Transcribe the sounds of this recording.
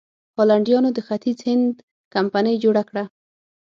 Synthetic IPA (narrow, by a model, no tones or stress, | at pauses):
holaɳɖjɑnod̪əxat̪izhɪnd̪ | kampanəjd͡ʒoɽakɽa